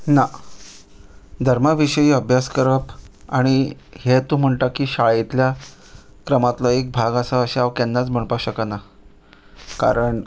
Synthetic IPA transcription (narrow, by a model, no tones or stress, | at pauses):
na | d̪ʱəɾmaʋiɕəjiːəbʱjaskəɾəpa̰ɽ̃ihet̪uːm̤əɳʈakiːɕaɭet̪lja | kɾəmat̪lɔek̚bʱaɡasaəɕeaʋkɛnːat͡sm̤əɳpaɕəkana | ka̰ɾəɳ